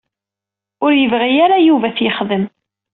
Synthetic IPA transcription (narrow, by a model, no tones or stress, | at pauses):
ʊɾjəvʁijaɾajuvæθjəχðəm